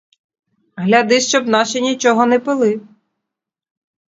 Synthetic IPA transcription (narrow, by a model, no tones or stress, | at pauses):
ɦlʲɐd̪ɪʃt͡ʃɔbnɑʃɛnʲit͡ʃɔɦɔnɛpɪlˠɪ